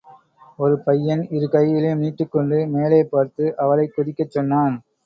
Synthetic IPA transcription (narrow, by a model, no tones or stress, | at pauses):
ɔɾɯpɐjːɐnɪɾɯkɐjːɪleniːʈːɯkːɔɳɖɯmeːleːpːaːɾt̪ɯʔɐʋɐlɐɪkːʊðɪkːɐt͡ʃːɔnːaːn